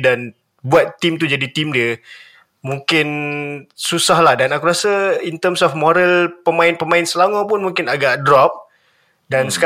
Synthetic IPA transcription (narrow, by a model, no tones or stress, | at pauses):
dan | buat̪ːimt̪ud͡ʒadit̪imdiə | mũŋkɪn | susahlahdanakuɾasəint̪əmsɔfmɔɾəlpəmãɪnpəmãɪnsəlamãpʊnmũŋkɪnaɡaʔdɾɔp̚ | dansə̥ka